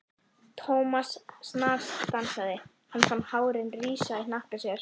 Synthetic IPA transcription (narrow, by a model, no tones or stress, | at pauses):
t̪ʰɔwmasːnaːst̪ansaðɪ | hanːfanːhaːwɾɪnriːsaðɪnahkasjɛɾ̥